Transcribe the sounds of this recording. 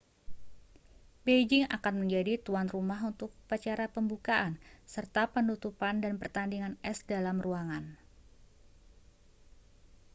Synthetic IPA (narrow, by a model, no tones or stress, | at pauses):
bed͡ʒɪŋakanməɲd͡ʒadit̪uanrumaɦunt̪ʊk̚pət͡ʃaɾapəmbukaʔansərt̪apənut̪upandanpərt̪andiŋanɛsdalamruaŋan